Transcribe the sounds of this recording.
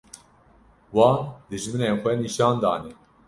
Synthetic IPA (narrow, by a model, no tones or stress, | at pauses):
wɑːd̪ɨʒmɨnenxʷɛniːʃɑːnd̪ɑ̰ːnɛ